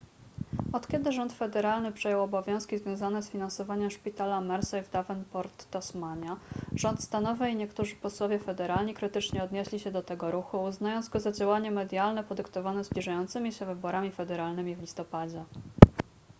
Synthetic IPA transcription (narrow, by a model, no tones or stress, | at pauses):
ɔt̪kʲɛd̪ɘʐɔnt̪fɛd̪ɛɾalnɘpʂɛjɔwɔbɔvʲjɔ̃w̃skʲizvʲjɔ̃w̃zanɛsfʲinansɔvaɲɛmʂpʲit̪alamɛɾsɛjvd̪avɛnpɔɾt̪ːasmaɲaʐ̥ɔnt̪st̪anɔvɘiɲɛkt̪uʐɘpɔswɔvʲjɛfɛd̪ɛɾalɲikɾɘt̪ɘt͡ʂɲɛɔd̪ɲeɕlʲiɕɛd̪ɔt̪ɛɡɔɾuxuːznajɔnzɡɔzad͡ʑawaɲɛmɛd̪jalnɛpɔd̪ɘkt̪ɔvanɛzblʲiʐajɔnt̪sɘmʲiɕɛvɘbɔɾamʲifɛd̪ɛɾalnɘmʲivlʲist̪ɔpad͡ʑɛ